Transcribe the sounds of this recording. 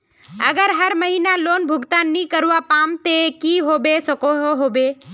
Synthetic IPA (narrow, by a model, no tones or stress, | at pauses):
əɡəɾɦəɾməɦinaloːnbʱʊɡt̪aːnːikəɾʋapaːmt̪ekiɦoːbesəkoɦoɦoːbe